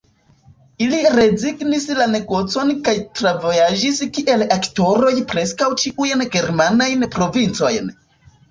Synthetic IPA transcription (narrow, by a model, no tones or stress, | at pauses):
iliɾe̞ziɡnislane̞ɡo̞t͡so̞nkajtɾavojad͡ʒiskiʔe̞lakto̞ɾo̞jpɾe̞skawt͡ʃiʔujnɡe̞ɾmanajnpɾo̞vint͡so̞jn